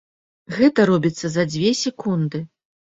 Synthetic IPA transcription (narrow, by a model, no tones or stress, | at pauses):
ɣɛt̪ɐɾɔbʲit̪sːɐzɐd͡zʲvʲɛsʲɛkund̪ɨ